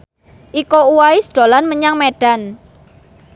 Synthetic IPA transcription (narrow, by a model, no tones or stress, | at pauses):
ʔikouwaisd̪̥o̤lanməɲaŋmeɖ̥a̤n